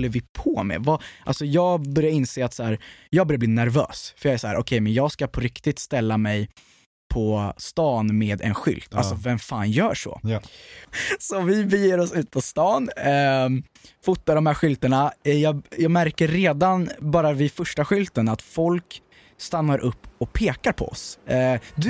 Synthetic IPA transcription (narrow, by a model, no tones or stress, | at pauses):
lːəɾvɪpʰɔmɛ̰vɑʔalsɔjɑːɡbœɾjaɾɪnseːat̪sæːɾjɑːɡbœɾjabliːnæɾvø̰ːsfœɾjɑːæʂsɔhæːɾʔɔkʰɛjmɛnjɑːɡskapʰɔɾɪkt̪ɪt̪st̪ɛlːamɛj | pʰɔst̪ɑːnmeːd̪ɛ̰nɧʏ̰lt̪ʰa̰lsɔvɛmfaːnjœːʂɔ̰ | sɔvɪbɛjeːɾɔsʉ̟ːt̪̚pʰɔst̪ɑːn | fʊt̪ːad̪ɔmhæːɾɧʏlt̪əɳajɑːɡjɑːɡmæɾkəɾːeːd̪anbɑːɾavɪfœʂʈaɧʏlt̪ənat̪fɔlk | st̪anːaɾʔɵpːɔpʰeːkaɾpʰɔ̰ɔ̰s | d̪ɵ